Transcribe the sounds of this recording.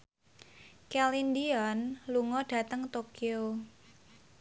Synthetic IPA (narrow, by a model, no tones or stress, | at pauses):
kɛlindiɔnluŋɔɖ̥ä̤t̪əŋt̪okio